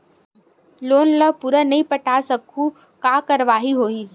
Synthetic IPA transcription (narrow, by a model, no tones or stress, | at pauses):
loːnləpuɾənɐɦĩpɐʈaːsɐkʰu | kaːkɐɾʋaːɦiɦoːi